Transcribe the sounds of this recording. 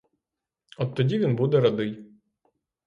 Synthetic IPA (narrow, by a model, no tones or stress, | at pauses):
ɔt̪ːɔdʲiʋʲinbud̪ɛɾɐd̪ɪj